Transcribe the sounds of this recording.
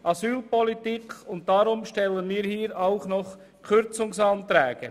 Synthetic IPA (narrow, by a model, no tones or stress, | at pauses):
ʔɑsyːlpɔlitikʊnt̚d̥ɑɾʊmʃtɛlənmiːɾhiːɾaʊχnɔχ | kʰʏɾt͡sʊŋsɑntɾɛːɡ̥ə